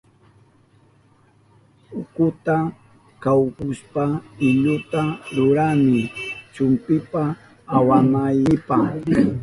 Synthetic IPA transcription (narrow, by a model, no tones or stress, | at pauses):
ʊkʊt̪a | kawkʊspaɪʎʊt̪aɾʊɾamɪt͡ʃʊmpɪpaː | wamajɪpa